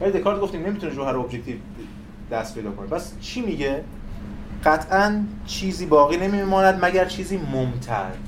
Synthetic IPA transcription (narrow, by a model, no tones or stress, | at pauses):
vælid̪e̞kʰɒːɾd̪̚ɡo̞ft̪iːmne̞mit̪ʰuneɾoːɦæɾobjec̚ʲt̪ʰiːv | d̪̥æst̪pʰejd̪ɒːkʰo̞nepʰæs | t͡ʃʰiːmiːɟe | ɢ̥æt̪ʰʔænt͡ʃʰiːziːbɒːɣiːne̞mimɒːnæd̪mæɟæɾt͡ʃʰiːziːmomt̪ʰæ̰ɾ